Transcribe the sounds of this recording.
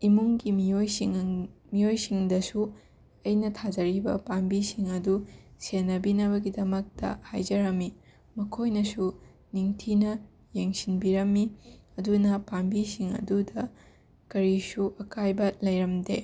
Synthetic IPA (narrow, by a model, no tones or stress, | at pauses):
imuŋɡimiojsiŋmijojsiŋdɐsu | ɐjnɐtʰad͡ʒɐɾibɐ̰pambisiŋɐdusenːɐbinɐβɐɡidɐmɐk̚tɐ̰ha̰jd͡ʒɐɾɐmːi | mɐkʰojnɐsu | niŋtʰinɐ | jeŋsinbiɾɐmːiɐdunɐpambisiŋɐ̰dudɐ | kɐɾisuʔɐkajbɐlɐjɾɐmde